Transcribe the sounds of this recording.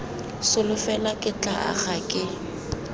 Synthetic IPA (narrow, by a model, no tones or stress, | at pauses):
sʊlʊfɛlakʼɪt͡ɬʼaʔa̰χakʼɪ